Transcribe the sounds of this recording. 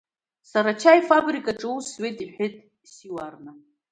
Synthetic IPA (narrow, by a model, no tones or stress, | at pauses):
saɾat͡ʃʰajfabrikʼaʈ͡ʂʼɨusɥetʼiħʷᶣɪtʼ | siwarna